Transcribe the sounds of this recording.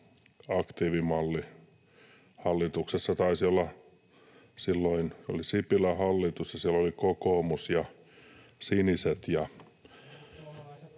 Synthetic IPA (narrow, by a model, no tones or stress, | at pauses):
ɑkt̪iːʋimɑlːi | hɑlːit̪uksesːɑt̪ɑisiolːɑ | silːoino̰lisipilæhɑlːit̪usjɑsiælolikokoːmusjɑ | siniset̪jɑ